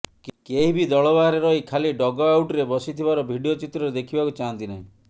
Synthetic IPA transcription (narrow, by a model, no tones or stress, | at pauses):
keɦibid̪ɔɭɔbaɾeɾɔɦikʰaliɖɔɡɔawʈɾebɔsit̪ʰiβaɾɔbʱiɖiot͡ʃit̪ɾɔɾed̪ekʰibakut͡ʃaɦant̪inaɦĩ